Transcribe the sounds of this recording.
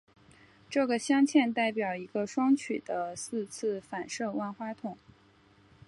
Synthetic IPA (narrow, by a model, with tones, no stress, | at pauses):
ʈ͡ʂɤ˥˩ɡə˩ɕjɑ˥ŋt͡ɕʰjɛ˥˧nt̪a˥˩ɪpjɑ˨˩ʊi˧˥ɡə˧ʂwɑ˥ŋt͡ɕʰy˨˩d̪̥ə˦sɹ̩˥˧t͡s̩ʰ˥˩fa˨˩nʂɤ˥˧wa˥˩nxwa˥t̪ʰʊ˨˩˦ŋ